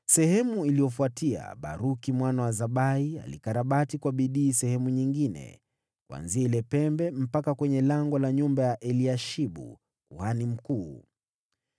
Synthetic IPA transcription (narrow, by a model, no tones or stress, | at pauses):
sɛhɛmuilijɔfuatia̰ɓa̰ɾukimwanawazaɓaia̰lḭkaɾaɓatikwaɓiɗiːsɛhɛmuɲiŋɡinɛ̰ | kwa̰nziailɛpɛmbɛm̩pakakwɛɲɛlaŋɡɔlaɲumbajaʔɛliaʃiɓṵ | kuhanim̩kuː